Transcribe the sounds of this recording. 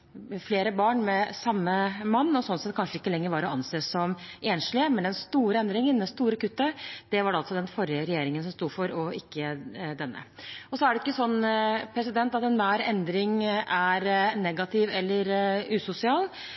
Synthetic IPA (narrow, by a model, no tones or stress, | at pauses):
fleːɾəbɑːɳmɛsɑmːəmɑnːɔsɔnsɛt̪̚kʰɑnʂəɪkːəlɛŋːəɾʋɑːɾɔɑnseːsɔmʔeːnʂlɪəmɛnɛnst̪uːɾəɛnd̪ɾɪŋənd̪ɛst̪uːɾəkʉt̪ːəd̪̥ɛʋɑɖɑlt̪sɔd̪ɛnfɔɾjəɾɛjeːɾɪŋənsɔmst̪uːfɔɾɔɪkːəd̪ɛnːə̰ɔsɔæɖɛɪ̥kːəsɔnːpʰɾɛs̬ɪd̪ɛnt̪ɑt̪ɛnʋæːɾɛnd̪ɾɪŋʔæɾnɛɡɑt̪ʰɪʋɛlːəɾʉːsʊsɪɑːl